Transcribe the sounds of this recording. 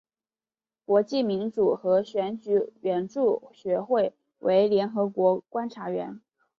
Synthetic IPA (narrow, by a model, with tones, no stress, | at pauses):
kwɔ˧˥t͡ɕi˥˩mi˧˥nʈ͡ʂu˨˩xɤ˧˥ɕɥɛ˧˥nt͡ɕy˨˩ɥɛ˧˥nʈ͡ʂu˥˩ɕɥɛ˧˥xwe˥˩ɪ | wʔe˧˥ɪljɛ˧˥nxɤ˧˥kwɔ˧˥kwa˥nʈ͡ʂʰa˧˥ɥɛ̰˧˥n